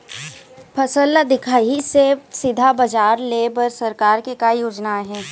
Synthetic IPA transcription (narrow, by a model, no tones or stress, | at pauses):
pʰɐsəlːad̪ɪkʰaːisesɪd̪ʱabɐd͡ʒaːɾleːbəɾsɐɾkaːɾkekaːijoːd͡ʒnaɦɛ̃ː